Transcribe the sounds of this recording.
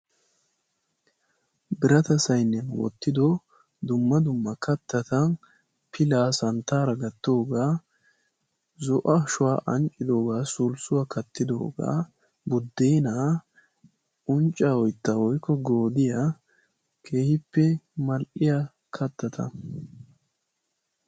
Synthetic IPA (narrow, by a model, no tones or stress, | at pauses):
bɪɾɐt̪ɐsɐjnːɛnwɔ̰t̪ːɪd̪ɔ | d̪ʊmːɐd̪ʊmːɐkɐt̪ːɐt̪ɐn | pʰɪlaːsɐnt̪ːaːɾɐɡɐt̪ːo̞ːɡaː | zɔʔɐʃʊwaːʔɐnt͡ʃʼːɪd̪o̞ːɡaːsʊlsʊwakʰɐt̪ːɪd̪o̞̰ːɡa̰ː | bʊd̪ːeːnaː | ʊnt͡ʃʼːaːwɔjt̪ːɐwɔjkːɔɡo̞ːd̪ɪja | kʰe̞ːhɪpːɛmɐlʔɪja | kʰɐt̪ːɐt̪ʰɐ̰